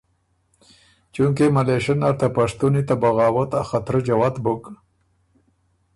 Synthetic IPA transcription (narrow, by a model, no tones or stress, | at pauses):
t͡ʃuŋkemaleʃənaɾt̪apaʂt̪unit̪abaɣɑːwat̪axat̪ɾəd͡ʒawat̪bʊk